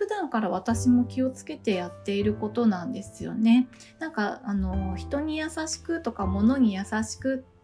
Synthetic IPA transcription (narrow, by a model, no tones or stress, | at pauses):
ɸɯ̟d̪ãŋkaɾaβ̞at̪aɕimo̞kʲio̞t͡sɨ̥ke̞t̪e̞jat̪ːe̞iɾɯ̟ko̞t̪o̞nãnd̪e̞sɨjo̞̰ne̞ | nãŋŋkaano̞çi̥t̪o̞ɲ̟ijasaɕi̥kɯ̟t̪o̞kamo̞no̞ɲ̟ijasaɕi̥kɯ̟